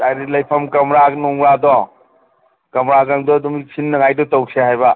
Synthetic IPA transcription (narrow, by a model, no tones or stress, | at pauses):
dajɾilɐjpʰɐmkɐmɾaɡnuŋɾadɔ | kɐmɾaɡaŋdɔdɔmisinːɐŋajdɔtɔwsehajba